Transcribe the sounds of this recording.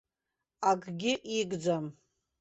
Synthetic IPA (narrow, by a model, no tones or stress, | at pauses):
aɡɡʲɪʔiɡʼd͡zam